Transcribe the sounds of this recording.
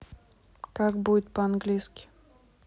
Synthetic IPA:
kakbudʲɪt̪̚pəanɡlʲijskʲɪ̥

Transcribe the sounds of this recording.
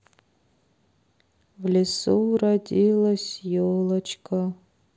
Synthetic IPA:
vlʲisuwradilasʲjolat͡ʃʰkʰʼa

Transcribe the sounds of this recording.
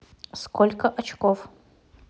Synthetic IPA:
skolʲkəʔɐt͡ɕkof

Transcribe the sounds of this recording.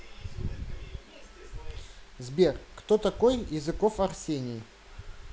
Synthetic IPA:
zbʲerkt̪ot̪ɐkojjɪzɨkofɐrsʲenʲɪː

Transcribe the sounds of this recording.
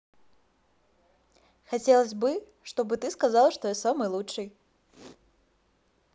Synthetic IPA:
xat͡sʲɛlˠəzʲbɨ | ʂt̪ɔbɨt̪ɨskazalˠʂt̪ɔjɛsamɨjlˠutt͡ʂɨj

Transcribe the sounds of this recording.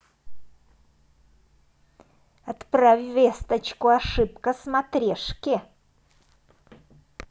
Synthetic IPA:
ɐt̪pɾavʲvʲest̪ət͡ɕkʊɐʂɨpkəsmɐt̪ɾʲeʂkʲɪ

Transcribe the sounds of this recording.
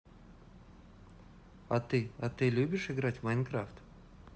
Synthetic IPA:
ɐt̪ɨɐt̪ɨlʲubʲɪʂɨɡɾatʲmɐjnkɾaft̪

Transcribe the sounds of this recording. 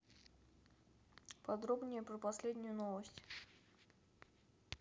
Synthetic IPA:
pɐd̪ɾobnʲɪjəpɾəpɐsʲlʲed̪ʲnʲʊjʊnovəsʲtʲ

